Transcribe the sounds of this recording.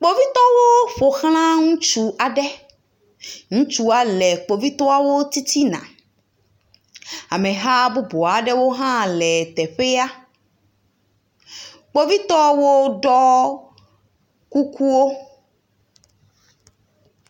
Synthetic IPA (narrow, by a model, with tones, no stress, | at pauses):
k͡po˦vi˦t̪ɔ˦wo˦ɸo˨xl̃ã˦ŋũ˦t͡ʃu˨ʔa˨ɖɛ˦ | ŋũ˦t͡ʃu˦a˨lɛ˨k͡po˨vi˦t̪ɔ˦a˦wo˦t̪i˦t̪i˦nã̰˨ | a̰˨mɛ̃˨ɦa˦bu˦bo˨a˨ɖɛ˦wo˦ɦã˦lɛ˨t̪ɛ˨ɸe˦a˦ | k͡po˦vi˦t̪ɔ˦wo˦ɖɔ˦ | ku˦ku˦wo˦